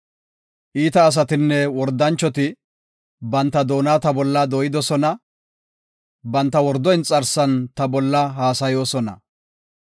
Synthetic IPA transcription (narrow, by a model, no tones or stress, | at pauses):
ʔiːt̪ɐːs̬ɐt̪ɪnːɛwɔɾd̪ɐnt͡ʃːɔt̪ɪ | bɐnt̪ːɐd̪o̞ːnaːt̪ɐbɔlːɐd̪ɔːjɪd̪ɔsɔnɐ | bɐnt̪ːɐwɔɾd̪ɔjnt͡sʼɐɾsɐnt̪ɐbɔlːɐɦaːsɐjo̞ːsɔnɐ̰